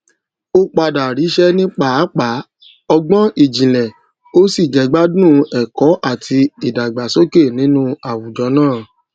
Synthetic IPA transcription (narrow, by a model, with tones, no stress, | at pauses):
o˦k͡pa˧da˨ɾi˨˦ʃɛ˦nĩ˦k͡pa˦k͡pa˨˦ | ɔ˧ɡ͡bɔ̃˦i˦˨d͡ʒĩ˨lɛ̃˨ | o˦si˦˨d͡ʒɛ˨˦ɡ͡ba˦dũ˦ɛ˨kɔ˨˦ʔa˦˨tʰi˧i˨da˨ɡ͡ba˨so˦ke˦˨nĩ˨˦nũ˦a˨wu˨d͡ʒɔ˨˦nãː˦˨